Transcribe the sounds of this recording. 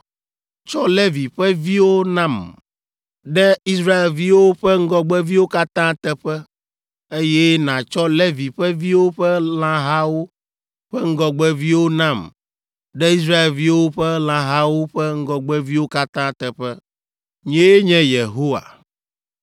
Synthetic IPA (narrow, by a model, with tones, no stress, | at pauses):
t͡ʃɔ˦le˦vi˨ɸɛ˦vi˦wo˦nã˦˨m | ɖɛ˦i˦sɾa˦e˨lvi˦wo˦ɸɛ˦ŋ̩˦ɡɔ˦ɡ͡bɛ˦vi˦wo˦ka˦t̪ã˦t̪ɛ˨ɸɛ˦ | e˦jɛ˦nã˨t͡ʃɔ˦le˦vi˨ɸɛ˦vi˦wo˦ɸɛ˦lã˦ɦa˦wo˦ | ɸɛ˦ŋ̩˦ɡɔ˨ɡ͡bɛ˦vi˦wo˦nã˦m | ɖɛ˦i˦s̬ɾa˦e˨lvi˦wo˦ɸɛ˦l̃ã˦ɦa˦wo˦ɸɛ˦ŋ̩˦ɡɔ˨ɡ͡bɛ˦vi˦wo˦ka˦t̪ã˦t̪ɛ˨ɸɛ˦ | ɲẽ˦ɲɛ̃˦je˨ɦo˦wa̰˨